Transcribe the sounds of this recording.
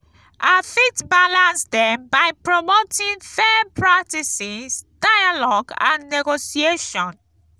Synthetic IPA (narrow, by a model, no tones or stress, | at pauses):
ʔafitbalãnsdɛ̃mbaɪpɹomotʰĩnfɛpʰɹak̚tisisd̥ajalɔɡã̰nːɛɡosieʃɔ̃n